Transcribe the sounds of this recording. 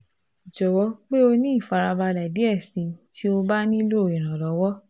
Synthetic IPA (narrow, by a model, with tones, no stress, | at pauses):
d͡ʒɔ˨wɔ˨˧˦k͡pe˦o˧nĩ˦i˦˨fa˨˧ɾa˧ba˧la˨di˨˦ɛ˦˨sĩ˨˧˦ti˦o˧ba˦nĩ˦lo˦˨ĩ˨ɾ̃ã˨lɔ˨˦wɔ˦